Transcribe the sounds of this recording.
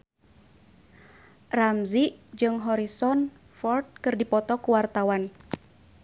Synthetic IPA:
ramziʔd͡ʒɨŋɦɔɾisɔn | fɔrt̪̚kɨrdipɔt̪ɔkuwart̪awan

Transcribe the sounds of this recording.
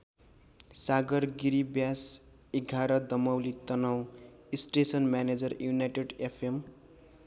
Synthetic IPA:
saɡʌrɡiɾibjas | eɡʱaɾʌd̪ʌmʌwlit̪ʌnʌw̃isʈesʌnmjaned͡zʌrjunajʈeɖepʰem

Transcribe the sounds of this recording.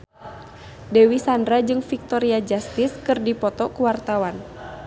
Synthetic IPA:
dɛwisandɾad͡ʒɨŋfik̚t̪ɔɾiad͡ʒast̪iskɨrdipɔt̪ɔkəwart̪awan

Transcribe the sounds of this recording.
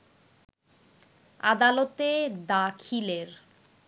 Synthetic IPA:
ad̪alot̪ed̪akʰileɾ

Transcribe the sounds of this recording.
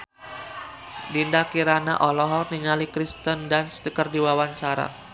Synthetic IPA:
dindakiɾana̰ʔɔlɔɦɔrniŋalikɾist̪əndansə̥t̪əkərdiwawaɲt͡ʃaɾa̰

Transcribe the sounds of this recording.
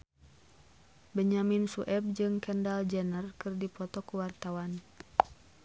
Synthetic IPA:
bəɲaminsuʔɛb̚d͡ʒɨŋkɛndald͡ʒɛnərkɨrdipɔt̪ɔkuwart̪awan

